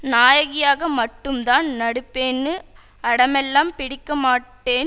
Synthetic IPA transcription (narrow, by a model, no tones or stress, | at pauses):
naːjɐɣɪjaːɣɐmɐʈːɯmt̪aːnnɐɽɯpːeːnːɯ | ɐɽɐmɛlːaːmpɪɽɪkːɐmaːʈːeːn